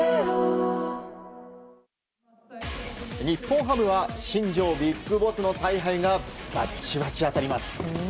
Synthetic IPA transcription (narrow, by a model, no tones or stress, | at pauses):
ɲ̟ipːõɰ̃ɦamɯ̟βaɕĩɲd͡ʑo̞ːbʲikːɯbo̞sɨno̞saiɦaiɡaba̰t͡ɕiβat͡ɕiat̪aɾʲimasɨ̥